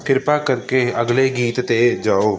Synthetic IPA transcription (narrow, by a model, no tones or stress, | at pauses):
kʰɪɾpakɐɾkeɐɡleɡiːt̪t̪ed͡ʒaːoː